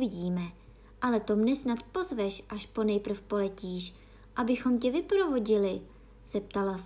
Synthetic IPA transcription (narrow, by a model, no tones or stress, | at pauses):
vɪɟiːmɛ | ʔalɛt̪o̞mnɛsnat̪po̞zvɛʃʔaʃpo̞nɛjpr̩fpo̞lɛciːʃ | ʔabɪxo̞mcɛvɪpɾo̞vo̞ɟɪlɪ | z̥ɛp̚t̪alas